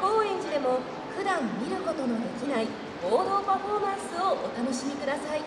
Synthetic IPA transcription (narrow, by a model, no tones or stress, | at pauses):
ko̞ːẽ̞ɲt͡ɕid̪e̞mo̞ | ɸɯ̟d̪ãmːʲiɾɯ̟ko̞t̪o̞no̞d̪e̞kʲinai | b̥o̞ːd̪o̞ːpaɸo̞ːmãɰ̃sɨoʔːt̪ano̞ɕimʲikɯ̟d̪asai